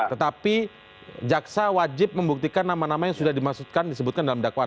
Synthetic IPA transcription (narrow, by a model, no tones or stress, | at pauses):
t̪ət̪api | d͡ʒaksawad͡ʒɪp̚məmbuk̚t̪ikanːamanamajaŋsudahdimaksut̪̚kandisəbʊt̪̚kandalamdakwa